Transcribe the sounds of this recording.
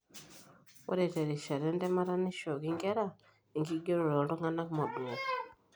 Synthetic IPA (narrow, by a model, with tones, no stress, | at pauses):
wɔ̰˦ɾɛ˨tɛ˨ɾi˨ʃa˨ɾɛ˦ndɛ˦ma˦ɾa˦ni˦ʃo˨ki˦ŋɡɛ˦ɾa˦˨ | i˨ŋɡi˦ɡe˦ɾo˨lɔ˨ndɔ˦ŋɡa˦na˦ku˦ma˨d